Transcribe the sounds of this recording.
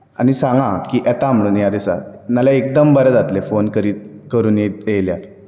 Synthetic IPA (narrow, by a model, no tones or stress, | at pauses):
a̰ñisãŋɡãkiʔɛt̪aamluːnjad̪esa̰naljaek̚d̪əmbəɾəd͡zat̪lefonkəɾiːt̪kəɾuːnjet̪jejljaɾ